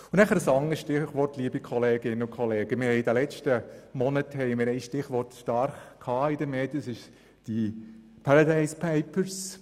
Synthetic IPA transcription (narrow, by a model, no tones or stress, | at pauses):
ʊnæχəɾəsɑŋəsʃtɪχʋɔrtliːbikʰɔleːɡɪnəʊkʰχɔleːɡ̥əmɪhɛɪid̥ɛlɛt͡ʃtəmɔnəthɛɪmɪɾɛɪsʃtɪχʋɔrtʃtɑɾχkʰhɑːidəmeːdiəsɪʃ | d̥i | pʰaɾadaɪspʰɛɪpəɾs